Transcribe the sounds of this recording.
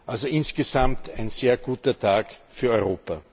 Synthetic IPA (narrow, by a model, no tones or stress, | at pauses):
ʔalzoʔɪnsɡ̥ezamtʰæɪnz̥eːɐɡuːtɐtʰaːkfyːɐɔʏʁoːpa